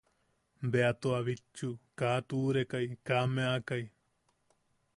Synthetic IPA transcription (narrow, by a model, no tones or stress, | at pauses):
beat̪oaʋit͡ʃːukaːt̪uːɾekaikaːmẽaːkai